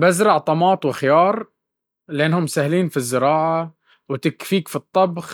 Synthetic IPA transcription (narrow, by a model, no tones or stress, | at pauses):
bazɾˤɑʕt̪ˤɑmɑːt̪ˤwɪxɪjɑːɾˤ | lɪʔanːhʊmsahliːnfizːɪɾɑːʕa | wɪt̪ɪkfiːkfit̪ˤːɑbx